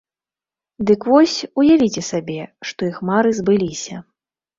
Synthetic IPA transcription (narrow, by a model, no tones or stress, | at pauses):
d̪ɨkvɔsʲujavʲit͡sʲɛsabʲɛʂt̪ɔixmaɾɨzbɨlʲisʲɐ